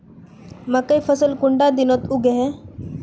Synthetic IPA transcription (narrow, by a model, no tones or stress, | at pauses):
mãkəifʰəsəlkʊɳɖad̪inot̪ʊɡeɦɛ̃